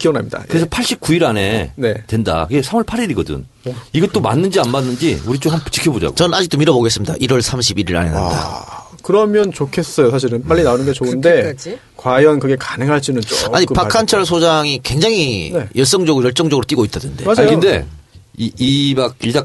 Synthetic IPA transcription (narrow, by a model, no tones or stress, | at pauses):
kiʌna̰mɲida̰kkɯɾesʰʌpʰaɭɕ͈ip̚k͈uiɾane̞ne̞twe̞nda̰kɯɡe̞sʰamʌɭpʰaɾiɾiɡʌdɯ̰n | iɡʌt͈oma̰nːɯnd͡ʑianmanːɯnd͡ʑiuɾit͡ɕ͈ohanpt͡ɕ͈ʰi̥kʰjʌbod͡ʑa̰ɡo̰t͡ɕʌnɯnad͡ʑik̚t͈omiɾʌboɡe̞s͈ɯmɲida̰ʔiɾwʌɭsʰamɕʰibiɾiɾa̰nen̰nda̰kɯɾʌmjʌnt͡ɕokʰe̞s͈ʌjosʰaɕ̬ʰiɾɯnp͈aʎːinaonɯnɡet͡ɕondde̞ | kwajʌnkɯɡe̞kḁnɯŋɦaɭt͡ɕ͈inɯnoa̰ɲipakʰant͡ɕʰʌɭs̬ʰod͡ʑaŋikwe̞ŋd͡ʑaŋinejʌɭs͈ʌŋd͡ʑʌɡɯɾojʌɭt͡ɕ͈ʌŋd͡ʑʌɡɯɾot͈iɡoit͈adwḛndead͡ʑɯnde̞̰ | iimak̚iɭa